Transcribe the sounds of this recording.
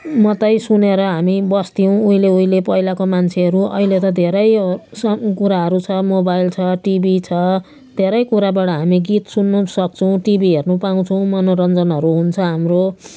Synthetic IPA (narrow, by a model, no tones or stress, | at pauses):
mʌt̪ʌjsuneɾʌɦamibʌst̪ijw̃uĩleuilepʌjlakomant͡sʰeʌɾuʌ̰ɦilet̪ʌd̪ʱeɾʌjsʌkuɾaɦʌɾut͡sʰʌmobajlt͡sʰʌʈibit͡sʰʌ | d̪ʱeɾʌjkuɾabaʈʌɦamiɡit̪sunːusʌk̚t͡sʰʌw̃ʈibiɦernupaũt͡sʰʌw̃mʌnoɾʌnd͡zʌnɦʌɾuɦunt͡sʰʌɦamro